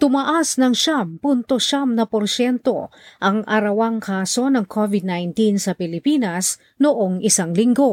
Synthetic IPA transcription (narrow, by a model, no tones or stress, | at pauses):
t̪ʊmɐʔasnɐŋʃampunt̪oʃamnɐpoɾʃɛnt̪o̞̰ʔɐŋʔɐɾɐwaŋkʰaːso̞nɐŋkʰovɪd̪̚najnt̪insɐpɪlɪpinɐs | noʔoŋɪsaŋlɪŋɡo̞